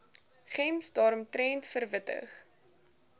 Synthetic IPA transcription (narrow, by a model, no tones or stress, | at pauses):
χɛmsdɑːɾɔmtrɛntfərvətə̰χ